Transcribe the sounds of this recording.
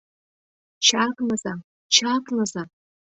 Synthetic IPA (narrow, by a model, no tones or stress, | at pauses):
t͡ʃʰakʼnaza | t͡ʃʰakʼnaza